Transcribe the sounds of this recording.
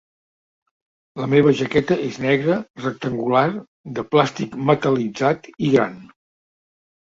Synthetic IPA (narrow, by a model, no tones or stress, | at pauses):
ləmeβ̞əʒəkɛt̪əʔeznɛɣɾərək̚t̪əŋɡular | d̪əplast̪ikmət̪əlid͡zat̪iɣɾa̰n